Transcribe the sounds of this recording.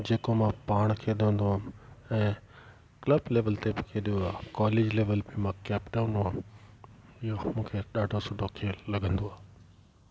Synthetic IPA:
d͡ʑeːkomãpaːɽ̃kʰeːɗiɦə̃nd̪oaːɛ̃ː | klɐbleːʋəlt̪ebɪkʰeːɗioaːkaːleːd͡ʑleːʋəlbɪmãkɛːpɖaːʊ̃nd̪oãː | ɪɦomũːkʰeɗaːɖʱosʊɖʱokʰeːlɐɡʱə̃nd̪oaː

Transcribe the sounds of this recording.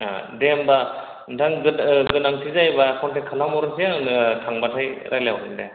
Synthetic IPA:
a̰demba | daŋɡɯɡɯnaŋsʰizajbakʰɔntakʰalamɔɾɯsijankʰaŋbatʰajɾʔaljawɾɯnda

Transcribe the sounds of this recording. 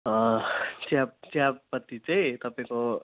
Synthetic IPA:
ʌ̃t͡sjab̚t͡sjapːʌt̪ːit͡saĩt̪ʌpaĩko

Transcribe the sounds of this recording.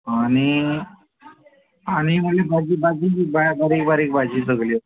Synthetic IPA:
añi | aɽ̃iməlebʱad͡ʑiːbad͡ʑiːibabaɾiːk̚baɾik̚bad͡ʑiːsəɡli

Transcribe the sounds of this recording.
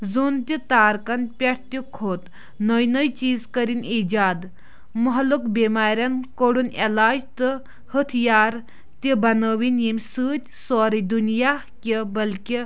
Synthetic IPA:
zunt̪ʲit̪aːɾkɐnpʲɐʈʰt̪ʲikʰoːt̪ | nəjnəjt͡ʃiːzkəɾiniːd͡ʒaːd̪ | muɦlukbiːmaːɾʲjɐnkoɽunelaːd͡ʒt̪ɨ | hət̪ʰjaːɾ | t̪ibɐnəːʋinimʲsɨːt̪ʲsoːɾid̪unijaːhkibɐlki

